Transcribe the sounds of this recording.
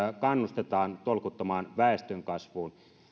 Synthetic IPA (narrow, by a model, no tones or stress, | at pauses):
kɑnːust̪et̪ɑːnt̪olkut̪ːɑmɑːnʋæˑest̪øŋkɑsʋuːn